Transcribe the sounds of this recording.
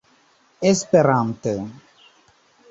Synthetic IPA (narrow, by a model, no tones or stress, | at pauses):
espeɾant̪e